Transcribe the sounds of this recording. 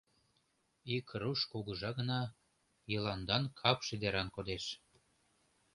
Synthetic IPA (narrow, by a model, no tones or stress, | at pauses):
ikruʃkuɣɤ̆ʒɑɣə̆nɑ | jɤlɑnd̪ɑnkʰɑpʃed̪eɾɑnkod̪eʃ